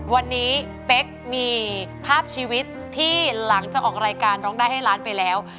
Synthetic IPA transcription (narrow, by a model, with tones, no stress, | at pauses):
wa˧nːiː˦˥ | pe˦˥k̚miː˧pʰaː˥˩p̚t͡ɕʰiː˧wi˦˥t̪ʰːiː˥˩la˩˦ŋt͡ɕa˨˩k̚ʔɔː˨˩k̚ɾaː˧jkaː˧nɾɔː˦˥ŋdaː˥˩ha˥˩jlaː˦˥npa˧jlɛː˦˥w